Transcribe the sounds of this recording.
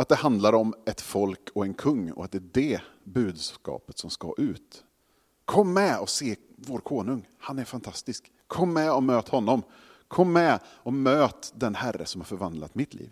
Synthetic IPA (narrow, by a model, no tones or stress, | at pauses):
at̪̚d̪ɛhand̪laɾɔmɛt̪fɔlkʰɔɛnkʰɵŋːɔ̰at̪d̪ɛæːdɛbʉ̟ːd̪skɑ̰ːpə̥t̪sɔmska̰ʔʉ̟ːt̪ | kʰɔmːɛɔseː | voːɾkʰoːnɵŋhanæɾfant̪ʰast̪ɪskʰɔmːɛɔmøːt̪hɔnːɔm | kʰɔmːɛɔmøːt̪d̪ɛnhærːə̰sɔmhaɾfœɾvand̪la̰t̪mɪt̪ʰlʔḭːv